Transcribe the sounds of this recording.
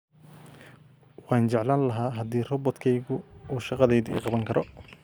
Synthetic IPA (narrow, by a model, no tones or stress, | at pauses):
wɑːnt͡ʃɛʕlaːnlɐɦaːɦɐd̪iːrɔbɔd̪kʰɛjɣʊuːʃɑqɑðɛjðʊḭːqɑβɐŋkʰɐɾɔ